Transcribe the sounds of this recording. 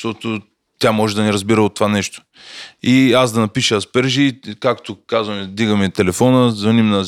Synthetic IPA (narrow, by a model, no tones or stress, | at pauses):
t̪ɔt̪o | t̪ʲjamɔʒɛd̪ɐniɾɐzbiɾəot̪ːovanɛʃt̪o̥ | iazd̪ɐnɐpiʃəspɛɾʒikakt̪okazvəmɛd̪iɡəmɛt̪ɛlɛfɔnəzvɐnimnɐ